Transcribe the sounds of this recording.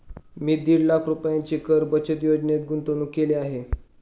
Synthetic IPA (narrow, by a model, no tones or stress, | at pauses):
miːd̪iːɽlakʰɾupjãɲt͡ɕiːkəɾbət͡ɕət̪jod͡ʑnet̪̚ɡunt̪onuːkeleaɦe